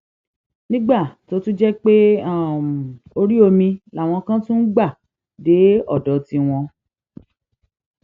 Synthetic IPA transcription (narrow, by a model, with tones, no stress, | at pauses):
nĩ˦ɡ͡ba˦˨to˦tũ˦d͡ʒɛ˦k͡pe˦a˦˨o˧ɾi˦o˧mĩ˧la˦˨w̃ɔ̃˧kã˦tũ˦n̩˦ɡ͡ba˦˨ | de˨˦ɔ˦˨dɔ˨˧ti˧w̃ɔ̃˧